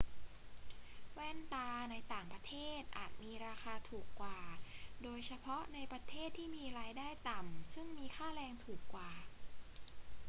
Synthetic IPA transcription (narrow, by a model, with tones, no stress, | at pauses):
wɛː˥˩nt̪aː˧na˧jt̪aː˨˩ŋpɾa˧t̪ʰeː˥˩t̪̚ʔa̰ː˨˩t̪̚miː˧ɾaː˧xaː˧t̪ʰuː˨˩kːwaː˨˩doː˧jsʰa˧pʰɔ˦˥na˧jpɾa˧t̪ʰeː˥˩t̪ʰːiː˥˩miː˧ɾaː˧jdaː˥˩jt̪a˨˩msɯ˥˩ŋmiː˧xʰaː˥˩lɛː˧ŋt̪ʰuː˨˩kːwaː˨˩